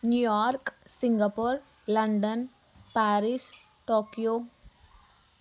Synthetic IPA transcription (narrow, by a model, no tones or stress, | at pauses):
njujaːɾksɪ̃ŋɡapoɾ | lɐɳɖən | paːɾis | ʈoːkijoː